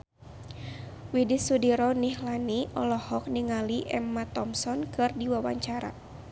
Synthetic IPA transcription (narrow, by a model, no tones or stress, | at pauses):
widisudiɾɔnihlaniʔɔlɔhɔk̚niŋaliʔɛmːat̪ɔmsɔnkɨrdiwawa̰ɲt͡ʃaɾa̰